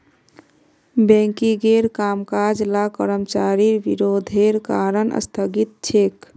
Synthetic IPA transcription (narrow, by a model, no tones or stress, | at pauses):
bẽŋkiɡeɾkamkad͡ʒlakəɾəmt͡ʃaɾiɾbḭɾod̪ʱeɾkaɾənʔə̰st̪ʰəɡit̪̚t͡ʃʰek